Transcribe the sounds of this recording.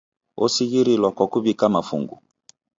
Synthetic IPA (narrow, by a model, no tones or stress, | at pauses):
osiɣiɾilwakwakubikamafṵŋɡu